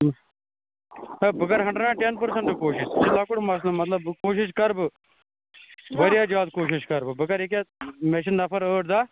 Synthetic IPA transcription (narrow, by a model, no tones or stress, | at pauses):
əbəkəɾɦə̃ɳɖəɖãːʈenpəɾsəɳʈːkoːʃɪʃɪlaːkʊɽmasləmət̪ləbkoːʃɪʃ̬kəɾb | ʋəɾjaːd͡ʒaːd̪̚koːʃɪʃkəɾbbəkəɾɪk̬eːmeʃ̬ənːəpʰəɾəːʈd̪aː